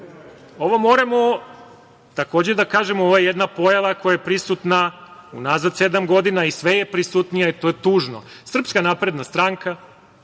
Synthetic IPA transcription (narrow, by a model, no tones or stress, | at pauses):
o̞ʋomo̞ːɾamo | t̪ako̞ːd͡ʑed̪akaːʒemooʋojjed̪napo̞jalakojajepɾisut̪naṵnaːzad̪se̞d̪amɡo̞d̪inaisʋeje̞pɾisut̪nijait̪ojet̪uːʒno̰sr̩pskanaːpɾe̞d̪nast̪ɾaŋka